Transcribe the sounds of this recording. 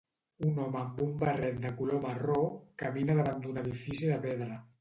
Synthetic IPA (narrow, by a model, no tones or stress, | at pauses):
unɔməːmbumbərɛt̪̚d̪əkulomərokəminəðəβand̪unəðifisiðəpɛðɾə